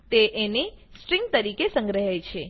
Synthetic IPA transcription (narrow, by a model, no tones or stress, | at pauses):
t̪eʔenisʈɾĩŋɡ̚t̪əɾikesə̃ŋɡɾəɦejt͡ʃʰe